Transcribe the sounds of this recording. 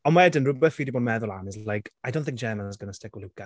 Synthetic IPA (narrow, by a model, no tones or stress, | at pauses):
ɔnmaɛdənrʊbɛθfidiboːdmɛðʊlˠanɪzajkʰajdõw̃nθɪ̃ŋ̚d͡ʒɛːmanzɡənəstɛɡwəlɪwkʰa